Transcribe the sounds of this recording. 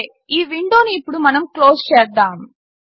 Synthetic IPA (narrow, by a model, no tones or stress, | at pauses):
ʔiːʋɪɳɖoːnɯɪpːɔɽɯmɐnɐmkloːst͡ʃeːɾd̪aːm